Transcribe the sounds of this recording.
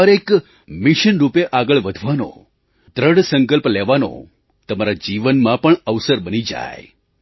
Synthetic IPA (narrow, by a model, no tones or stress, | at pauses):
əɾek | miʃənɾupeʔaɡəɭʋəd̪ʱʋano̰ | d̪ɾəɽsəŋkəlplɛʋano̰ | t̪əmaɾad͡ʒiʋənmãpəɳəʋsəɾbənid͡ʒa̰j